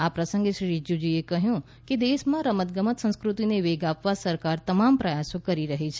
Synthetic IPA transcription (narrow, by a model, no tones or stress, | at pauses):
apɾəsə̃ŋɡeʃɾiɾid͡ʒud͡ʒiekəɦjũ | ked̪eʃmãɾəmət̪̚ɡəmət̪sə̃ñskɾut̪ineʋeɡapʋasəɾkaɾt̪əmampɾəjasõkəɾiɾəɦet͡ʃʰe